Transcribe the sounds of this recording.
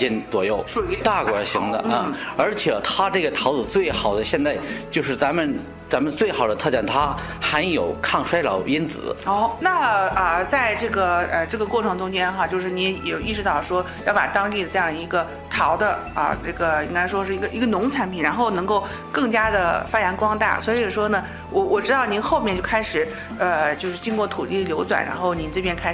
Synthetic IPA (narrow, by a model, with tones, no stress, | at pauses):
i˧˥nt͡swɔ̰˨˩jo˥˩ʊʂt̪a˥˩kwɔ˨˥˩ɕi˧˥ŋd̪ə̰˧ə˥˧˩ə˞˧˥t͡ɕʰjɛ˨˩t̪ʰa˥ʈ͡ʂɤ˥˩ɡə˩t̪ʰɑ˧˥ʊt͡sɹ̩˨˩t͡swe˥˩ɪxɑ˨˩ʊd̪ə˦ɕjɛ˥˧nt͡sa˥˧ɪt͡ɕjo˥˧ʊʂɻ̩˥˩t͡sa˧˥nmə˨n | t͡sa˧˥mə˧nt͡swe˥˩ɪxɑ˨˩ʊd̪ə˦t̪ʰɤ˥˧˩t͡ɕa˥˩nt̪ʰa˥ | xa˧˥njo˨˩ʊkʰɑ˥˩ŋʂwa˥ɪlɑ̰˨˩˥ʊi˥nt͡sɹ̩̰˨˩˦ɔ˥˩ʊna˥˩ə˧˩t͡sa˥˧ɪʈ͡ʂɤ˥˩ɡə˩ə˧ʈ͡ʂɤ˥˩ɡə˩kwɔ˥˩ʈ͡ʂʰɤ˧˥ŋʈ͡ʂʊ˥ŋt͡ɕjɛ˥nxa˥˧t͡ɕjo˥˧ʊʂɻ̩˥˩ni˧˥ɛ˧˩ɛ˨˩i˥˩ʂɻ̩˧t̪ɑ˥˩ʊʂwɔ˥ | jɑ˥˩ʊpa̰˨˩t̪ɑ˥ŋt̪i˥˩d̪ə˩ʈ͡ʂɤ˥˧jɑ˥˩ŋd̪ə˩i˧˥ɡə˧ | t̪ʰɑ˧˥ʊd̪ə˧ə̰˧ʈ͡ʂɤ˥˩ɡə˩i˥ŋka˥ɪʂwɔ˥ʂɻ̩˥˩i˧˥ɡə˧˩ʔi˧˥ɡə˧nʊ˧˥ŋt͡sʰa˧˥npʰi˨˩nɻa˧˥nxo˥˩ʊnɤ˧˥ŋko˥˩ʊ | kɤ˥˩ŋt͡ɕja˥d̪ə˨fa˥ja˧˥nkwɑ˥ŋt̪a̰˥˩swɔ˧˥i˧˥˨ʂwɔ˥nə˨ | wʔɔ˧˩wɔ˨˩ʈ͡ʂɻ̩˥t̪ɑ˥˩ʊni˧˥nxo˥˧mjɛ˥˧nt͡ɕjo˥˩ʊkʰa˥ɪʂɻ̩˨˩˦ | ə˧t͡ɕjo˥˧ʊʂɻ̩˥˩t͡ɕi˥nkwɔ˥˩t̪ʰu˨˩t̪i˥˩d̪ə˩ljo˧˥ʊt͡swa̰˨˩nɻa̰˧˥nxo˥˩ʊni˧˥nʈ͡ʂɤ˥˩pjɛ˥nkʰa˥ɪ˩